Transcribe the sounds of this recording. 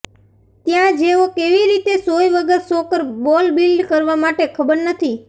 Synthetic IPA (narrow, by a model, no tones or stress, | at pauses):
t̪jãd͡ʒeʋokeʋiɾit̪esojʋəɡəɾsokəɾbɔlbilɖkəɾʋamaʈekʰəbəɾnət̪ʰi